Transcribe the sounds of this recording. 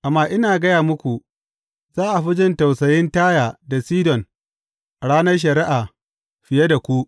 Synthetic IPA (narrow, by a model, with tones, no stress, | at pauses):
ʔa˨mːaː˦ʔɪ˦naː˨ɡɐ˦jaː˨mʊ˦kʷu˨ | zaː˦ʔa˨ɸɪ˦d͡ʒɪ˦nta˨wsɐ˨jɪ˦ntaː˦jaː˨da˨siː˦dɔ˨n | ʔa˨ɽaː˦nɐ˦rʃ̬ɐ˨ɾɪ˦ʔaː˨ | ɸɪ˨jɐ˦da˨kʷu˦ʔ